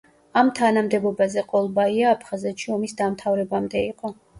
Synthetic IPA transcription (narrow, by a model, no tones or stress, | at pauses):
amt̪ʰanamd̪ɛbɔbazɛqʼɔlˠbaiaːpʰχazɛt̪ʃiɔmisd̪amt̪ʰavɾɛbamd̪ɛiqʼɔ